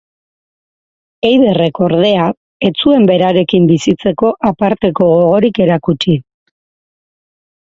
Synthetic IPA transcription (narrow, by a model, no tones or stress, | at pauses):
e̞jðe̞re̞ko̞ɾðe̞a | e̞t͡sue̞mbe̞ɾaɾe̞kimbisit͡se̞ko̞ʔapaɾt̪e̞ko̞ɣoɣ̞o̞ɾike̞ɾakut͡ʃi